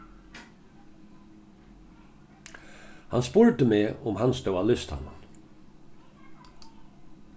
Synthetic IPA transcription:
hanspʊɹt̪əmeːʊmhanst̪œwalʏst̪ha̰nːan

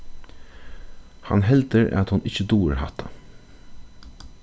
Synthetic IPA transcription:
hɑ̰nɦɛlt̪əɾa̰t̪hʊnɪçəd̪uːəɾɦa̰t̪ʰa

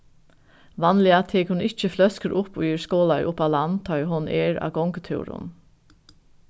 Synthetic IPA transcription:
ʋɑnlɪat̪ʰeːkhʊnɪt͡ʃːəflœskəɾʔʊpʊɪɹskoːlajʔʊpalant̪ʰɔjɦʊnɛːɹa̰ːɡɔŋkət̪ʰʉ̰ːɹʊ̰n

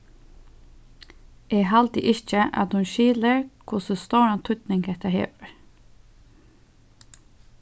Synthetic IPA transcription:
ɛːɦalt̪ɪ̰ʔɪt͡ʃəʔa̰t̪hʊnʃiːləɹkʰʊsəst̪oɹant̪ʰʊt̪nɪŋkɛht̪aɦḛːʋəɹ

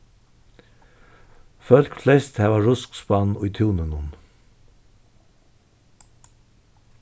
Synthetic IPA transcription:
fœlkflɛst̪hæːʋɑːɹʊskspɑnɔʏt̪ʰuːnənʊn

